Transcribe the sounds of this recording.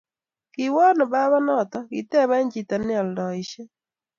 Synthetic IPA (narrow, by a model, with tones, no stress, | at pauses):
kɪ˨wɔ˦nɔ˨ba˦βa˦nɔ˦˨t̪ɔ˨kḭ˨tɛ˦˨βa˦ɲd͡ʒi˨ta˨nɪ˦ɔ˨ldɔ˨ɪ˨ʃɛ˦